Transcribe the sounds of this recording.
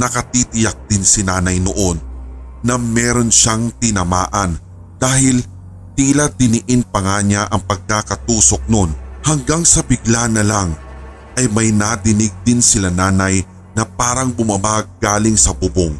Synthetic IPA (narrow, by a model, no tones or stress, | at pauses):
nɐkɐt̪it̪ɪjak̚d̪̥ɪnsɪnaːnɐjnoʔo̞nːɐmɛːɾo̞nʃaŋt̪ɪnɐmaːʔɐn | d̪̥aːhɪl | t̪ilad̪ɪnɪʔɪnpɐŋaːɲaʔɐŋpɐɡ̚kaːkɐt̪uːso̞k̚no̞nhɐŋɡaŋsɐbɪɡlanɐlaŋ | ʔɐjmɐjnad̪ɪnɪɡ̚d̪ɪnsɪlanaːnɐj | nɐpaːɾɐŋbʊmɐbaɡ̚ːaːlɪŋsɐbʊboŋ